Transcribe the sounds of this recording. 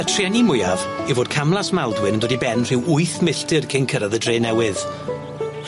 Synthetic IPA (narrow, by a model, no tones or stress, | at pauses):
ətʰrɛnimʊjavivoːd̥̚kʰamlˠasmalˠdwɪnəndoːdibɛnr̥ɪwʊɨθmɪɬtɨrkʰɪnkʰəɾaðədreːnɛwɪð